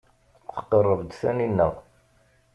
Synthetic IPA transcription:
t͡sə̥qːərˤːəvd̪θæninːəʁ

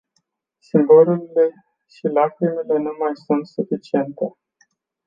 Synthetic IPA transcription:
simboluɾile̞ | ʃilakɾimele̞numajsunt̪sufit͡ʃie̞nt̪e̞

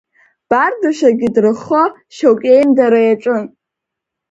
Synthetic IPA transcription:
b̥ardɨʃaɡʲɪdrɨχo | ʃowkʲʼejmdaɾajaʈ͡ʂʼɨn

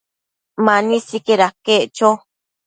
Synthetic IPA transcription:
manĩsikeɾakeʔt͡ʃo

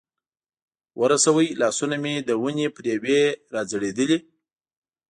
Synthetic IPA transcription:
wəɾasawəjlɑsunamed̪əwunepɾeweɾɑd͡zəɽed̪əli

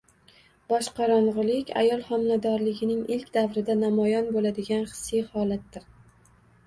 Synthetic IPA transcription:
bɒʃqɑɾɒɴʁɨlˠɪkʲʰa̰jɒlˠχɒmnad̪ɒɾlɪɡʲɪnɪŋɪlkʲd̪avɾɪd̪anamɒjɒnbolad̪ɪɡʲanχɨ̥sːijhɒlat̪̚d̪ɪɾ

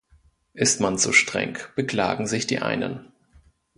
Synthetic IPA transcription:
ʔɪstmanzoːʃtʁ̥ɛ̰ŋb̥əkl̥a̰ːɡŋ̩zɪçd̥iːʔa̰ɪnə̰n

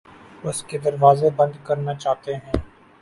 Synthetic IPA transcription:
ʊsked̪ɐɾʋaːzebɐ̃nd̪kɐɾnat͡ʃaːɦt̪eɦɛ̃ː

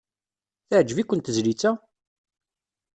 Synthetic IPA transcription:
θaʕd͡ʒvikʷːənt̪əzlit͡sːæ

